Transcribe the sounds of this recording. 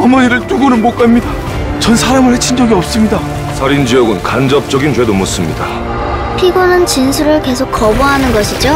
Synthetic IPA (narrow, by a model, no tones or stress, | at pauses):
amʌɲiɾɯɭt͈uɡonɯnmʌk͈amɲida | t͡ɕʌnsʰaɾamɯɭhet͡ɕʰind͡ʑʌɡiʌp̚s͈ɯmɲida | sʰʌɾind͡ʑijʌɡɯnkand͡ʑʌp̚t͡ɕ͈ʌɡint͡ɕwe̞domos͈ɯmɲida | pʰiɡonɯnt͡ɕinsʰuɾɯɭke̞sʰok̚k͈ʌbuɦanɯnɡʌɕʰid͡ʑo